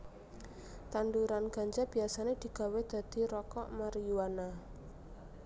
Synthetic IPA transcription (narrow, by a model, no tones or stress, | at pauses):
t̪anduɾanɡ̥a̤ɲd͡ʒab̥i̤asaned̪̥i̤ɡ̥a̤wed̪̥a̤d̪̥i̤ɾɔkɔʔmaɾijuwana